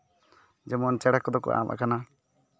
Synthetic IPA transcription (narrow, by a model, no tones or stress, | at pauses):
d͡ʒɛmɔnt͡ʃɛɽakːɔd̪ɔkɔ̰ʔa̰mʔa̰kana